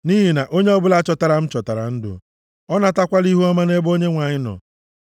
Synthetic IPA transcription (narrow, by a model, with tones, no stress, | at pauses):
ni˦ɦi˨na˨ʔo˦ɲe˦ɔ˦bʊ˦la˦t͡ʃɔ˨ta˨ɾa˨m̩˦t͡ʃɔ˨ta˨ɾa̰˨n̩˦dʊ̰˨ | ɔ˦na˦ta˦kʷa˦li˦ɦu˦ɔ˦ma˦ne˦bo˦ɲe˦ŋʷa˨ɲɪ˦nɔ̰˨